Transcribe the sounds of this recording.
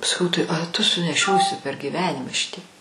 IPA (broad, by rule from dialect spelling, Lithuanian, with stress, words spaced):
sɐˈkɐʊ tɐɪ ɐ tʊ sʊnʲɛˈʃʲoːsʲɪ pʲɛr ɡʲiːˈʋʲæːnʲɪmɐ ˈʃʲɪtʲiɛk